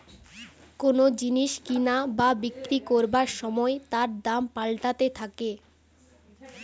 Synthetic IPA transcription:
konod͡ʑiniʃkinababikɾikoɾbaɾʃɔmɔet̪aɾd̪ampalʈat̪et̪ʰake

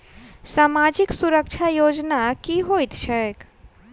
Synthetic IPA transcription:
samad͡ʒiksuɾəkt͡ʃʰajod͡ʒnakiɦojt̪ʃʰɛk

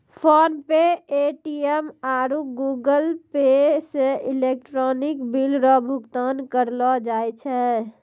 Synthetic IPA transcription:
pʰonpeeʈiemaːɾuɡuɡəlpeseilek̚ʈɾɔnɪkbilɾɔbʱuɡt̪ankəɾlɔd͡ʒaːjt͡ʃʰɛ

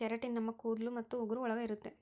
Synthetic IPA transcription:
t͡ʃɛɾɐʈːinnɐmːɐkuːd̪lumɐt̪ːuʊɡʊɾɐɔɭɐɣɐɪɾɯt̪ːe

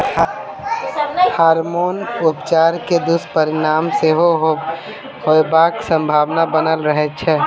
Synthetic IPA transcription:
haːɾmoːnʊpt͡ʃaːɾked̪ʊspəɾɪnaːmseɦo | hoebaksə̃mbʱaːʋnabənəlɾəɦɛt͡ʃʰɛ

